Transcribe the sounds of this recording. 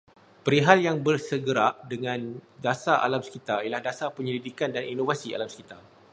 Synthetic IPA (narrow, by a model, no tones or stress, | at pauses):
pəɾiɦaljaŋbərsəɡəɾaʔdəŋãndasaʔa̰lamsə̥kit̪ailahdasapəɲəlidikandaninovasia̰lamsə̥kit̪a